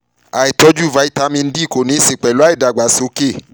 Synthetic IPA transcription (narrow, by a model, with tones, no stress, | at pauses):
a˨e˨tɔ˦d͡ʒu˦˨va˨˦i˦ta˨˦mĩ˧n̩˦di˦˨ko˨nĩ˨˦se˨k͡pɛ˨lu˦a˦e˦˨da˨ɡ͡ba˨so˨˦ke˦˨